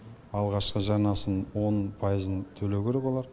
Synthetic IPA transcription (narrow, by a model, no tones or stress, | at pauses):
ɑlˠʁɑʃqəʒɑɾnɑsənwo̞npʰɑjəzənt̪ʰɵlewkʲʰe̞ɾekwo̞lˠɑɾ